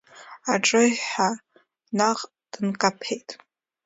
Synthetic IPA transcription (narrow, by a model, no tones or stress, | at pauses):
aʈ͡ʂʼɨjħa | naqʼ | d̥ɨnkʼapʰejtʼ